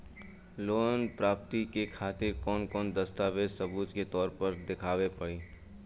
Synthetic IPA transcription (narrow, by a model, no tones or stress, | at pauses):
loːnpɾaːpt̪ikekʰaːt̪ɪɾkɔːnkɔːnd̪ɐst̪aːʋeːsɐbuːt̪ket̪ɔːɾpɐɾd̪ɪkʰaːʋepɐɽiː